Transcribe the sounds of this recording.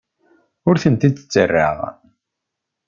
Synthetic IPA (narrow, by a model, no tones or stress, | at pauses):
ʊɾθənt̪id̪ə̥t͡sːərːa̰ʁ